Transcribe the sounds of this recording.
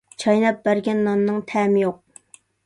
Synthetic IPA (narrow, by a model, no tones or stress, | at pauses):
t͡ʃʰɑjnɑp̚bæɾɡʲɛnːɑmnɨŋt̪ʰɛːmɪjoq̚